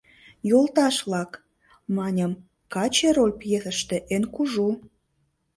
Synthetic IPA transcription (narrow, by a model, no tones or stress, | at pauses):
jolt̪ɑʃβlɑk | mɑnʲəm | kɑt͡ɕeɾolʲpjeθəʃt̪ĕʔenkuʒu